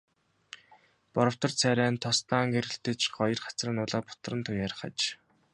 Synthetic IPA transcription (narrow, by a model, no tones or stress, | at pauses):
pɔɾɞ̆w̥t̪ɞ̆rt͡sʰæɾʲæːnt̪ʰɔst̪aːŋɡeɾɘ̆ɬt̪ɘ̆t͡ɕɢɔjɞ̆rχḁt͡srə̆nʊːɮaːpʊ̥t̪̆rə̆nt̪ʰujaɾ̆χə̰t͡ɕ